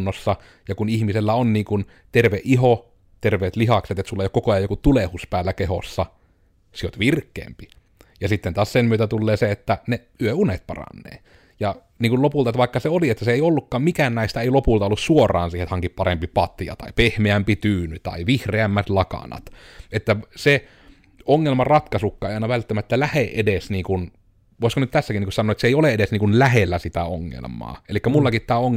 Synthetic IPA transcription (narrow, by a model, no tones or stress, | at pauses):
nːosːɑ | jɑkunihmiselːæonniːŋkun | t̪erʋeʔʔiɦo | t̪erʋeːt̪lihɑkset̪et̪sulːeijokokoɑjɑjokut̪ulehuspæːlːækeho̰sːɑ | siot̪ʋirkːḛːmpi | jɑsit̪ːent̪ɑːssemmyøt̪æt̪ulːeːseet̪ːæne | yøunet̪̚pɑ̰rɑ̰nːḛː | jɑ | niːŋkullopult̪ɑet̪ːʋɑˑekːɑseoliet̪ːæseeˑiolːukːɑːmmikæːnnæˑist̪æeˑilopult̪ɑolːussuorˑɑ̰ːnsiːhet̪hɑŋkippɑrempipɑt̪iɑ̰t̪ɑipehmeæmpit̪yːnyt̪ɑ̰iʋihreæmːæt̪lɑkɑ̰nɑ̰t̪et̪ːæse | oŋːelmɑrɑt̪kɑsukːɑejiɑˑinɑʋælt̪ːæmæt̪ːælæheʔedesniːŋkun | ʋoˑeskonyt̪t̪æsːækiniŋkusɑnːˑoet̪seˑioleedesniːŋkunlæhelːæsit̪æoŋːḛlmˑɑ̰ːelikːæmulːɑkit̪t̪æːoŋː